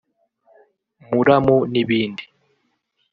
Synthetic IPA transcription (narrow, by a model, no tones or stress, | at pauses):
muɾamuniβiːndi